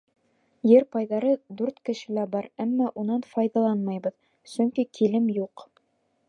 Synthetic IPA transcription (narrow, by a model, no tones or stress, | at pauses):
jɘɾpɑjðɑɾɤd̪ʉɾt̪kɘ̆ʃɘ̆læbɑɾæmːɑʔunɑnfɑjðɑlˠɑnmɑjbɤð | sɵ̆ŋkikʰilɘmjuq